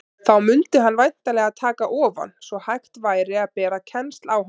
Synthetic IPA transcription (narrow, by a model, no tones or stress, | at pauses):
θawmʏnt̪ɪɦanːvajn̥t̪alɛːɣaðt̪ʰaːkaʔɔːva̰nsvɔhajht̪vaːjɾɪaðpɛːɾacʰɛnst̪lawɦ